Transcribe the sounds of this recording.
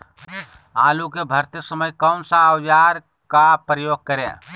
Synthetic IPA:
a̰ːlukebʱəɾt̪isəməjkəʊnsə̃əwd͡ʒaɾ | kapɾəjoːɡ̚kəɾḛ̃

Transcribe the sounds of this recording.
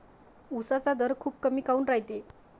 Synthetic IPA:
usat͡sad̪ʱəɾkʰuːp̚kəmiːkauːnɾaɦjt̪e

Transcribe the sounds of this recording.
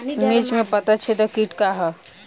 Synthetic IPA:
met͡ʃmẽpɐt̪at͡ʃʰet̪okiʈkaɦa

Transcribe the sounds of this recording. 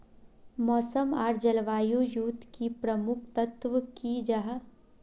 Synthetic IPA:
mɔːsəmaːɾd͡ʒɐlʋaːjujuːt̪kipɾəmʊkʰt̪ət̪ʋəkid͡ʒɐɦ

